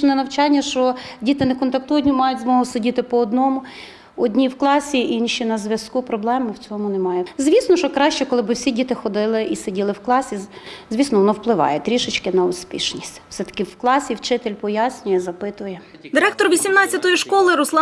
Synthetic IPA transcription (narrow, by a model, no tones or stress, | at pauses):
nɛnɐwt͡ʃɑnʲːɐʃt͡ʃɔdʲit̪ɪnɛkɔnt̪ɐk̚t̪ujɐdʲnʲimɑjʊt̚ʲzmɔɦɔsʊdʲit̪ɪpɔːd̪nɔmʊ | ɔdʲnʲiwklˠɑsʲiʔinʲʃinɐzʲʋʲjɐskupɾɔblˠɛmɪwt͡sʲɔmʊnɛmɑjɛzʲʋʲisnɔʃɔkɾɑʃt͡ʃɛkɔlˠɪbɪwsʲidʲit̪ɪxɔd̪ɪlˠɪʔisedʲilˠɪwklˠɑsʲizʲʋʲisnɔʋɔnɔwplˠɪʋɑ̰jɛt̪ɾʲiʃɪt͡ʃkɪnɐʊspʲḭʃnʲisʲtʲwsɛt̪ɐ̥kɪwklˠɑsʲiwt͡ʃɪt̪elʲpɔjasʲnʲʊjɛzɐpɪt̪ʊjɛ | d̪ɪɾɛk̚t̪ɔrʋʲisʲimnɑt͡sʲːɐt̪ɔjiʃkɔlˠɪɾʊslˠɑ